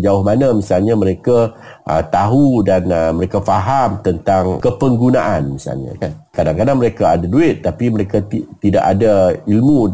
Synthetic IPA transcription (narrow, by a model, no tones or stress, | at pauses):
d͡ʒaʊhmanamĩsalɲaməɾeka | ʔə̰t̪aɦudanməɾekafaɦamt̪ənt̪aŋkəpəŋɡunaʔanmisa̰lɲa̰kankadaŋkadaŋməɾekaadaduɪt̪̚ːapiməɾekait̪ida̰ʔadailmu